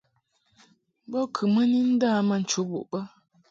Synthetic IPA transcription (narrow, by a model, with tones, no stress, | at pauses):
bɔ˦kʰə˨mə˦ni˦n̩˦daː˦˨ma˨n̩˨t͡ʃu˨˦bṵ˨ʔbə˦